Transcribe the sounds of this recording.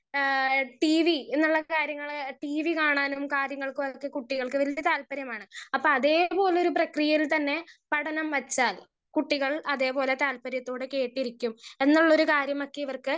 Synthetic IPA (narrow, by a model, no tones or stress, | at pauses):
ʈiːʋienːuɭːɐkaːɾjɐŋːɐɭʈiːʋikaːɳaːnumkaːɾjɐŋːɐɭkɨɐkːekuʈːiɣɐɭkɨʋɐlɐt̪aːlpɐɾjɐmaːɳɨɐpːoːɐðe̞ːpo̞ːleo̞ɾuprɐkrijɐjilt̪ɐnːe̞pɐɽɐnɐmʋɐt͡ɕːaːl | kuʈːiɣɐɭɐðe̞ːpo̞ːle̞t̪aːlpɐɾjɐt̪ːo̞ːɽɨke̞ːʈːiɾikʲːume̞nːuɭːɐoɾukaːɾjɐmɐkːeiʋɐrkɨ